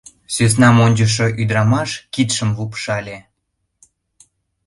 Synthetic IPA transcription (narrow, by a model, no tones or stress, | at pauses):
sys̬nɑmonʲd͡ʑəʃ̬ŏʔyd̪ɾɑmɑʃkit̪ʃəmlupʃɑlʲe